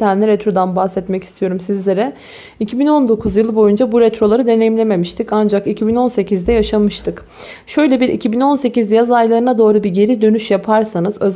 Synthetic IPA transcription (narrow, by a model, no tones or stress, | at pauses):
ænlʲɛɾɛt̪ɾo̞d̪anbahsɛt̪mɛci̥st̪ʰijo̞ɾumsizlʲe̞ɾɛ | icʰibino̞nd̪o̞kʰuzjɯlˠɯbo̞jund͡ʒabuɾɛt̪ɾo̞lˠaɾɯd̪e̞ne̞jimlʲe̞me̞miʃt̪ʰikand͡ʒakicʰibino̞nse̞cʰizd̪ɛjaʃamɯʃt̪ʰɯk | ʃø̞jlʲebiɾḭcʰibino̞nse̞cizɛjazajlˠaɾɯnad̪o̞ːɾubiɟe̞ɾid̪ø̞nyʃjapʰaɾsanɯzø̞̰z